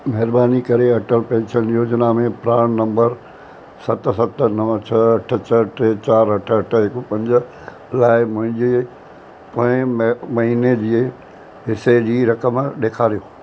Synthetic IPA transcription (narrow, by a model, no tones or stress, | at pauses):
mɐɦɪɾbaːnikɐɾeɐʈəlpẽːɲt͡ʃʰənjoːd͡ʑnamẽpɾaːɽ̃nɐ̃mbəɾ | sɐt̪sɐt̪nɐʋt͡ɕʰɐːʈʰət͡ɕʰɐʈet͡ɕaːɾɐʈʰəɐʈʰɪkpɐ̃ɲd͡ʑə | laːɪmʊ̃ɦɪ̃ɲd͡ʑe | pɐ̃ɪ̃mɐɦined͡ʑiː | ɦɪsed͡ʑiːɾɐkəmɗeːkʰaːɾijoː